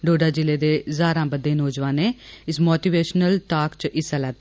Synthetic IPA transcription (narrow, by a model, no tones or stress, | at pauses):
ɖoːɖaːd͡ʒɪleːd̪eːzaːɾãːbəd̪ːẽːnoːd͡ʒʋãːneːɪsmoːʈiːʋeːʃnəlʈaːkt͡ʃʔɪsalɛːt̪ː